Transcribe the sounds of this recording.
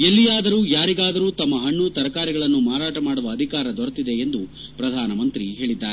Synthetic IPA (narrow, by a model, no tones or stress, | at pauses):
elːijaːd̪ɐɾuːjaːɾiɡaːd̪ɐɾuːt̪ɐmːɐɦɐɳːut̪ɐɾɐkaːɾiɡɐɭɐnːumaːɾaːʈɐmaːɽuʋɐːd̪ʱikaːɾɐd̪ɔɾɐt̪id̪e̞end̪u | pɾɐd̪ʱaːnɐmɐnt̪ɾiɦe̞ːɭid̪ːaːɾe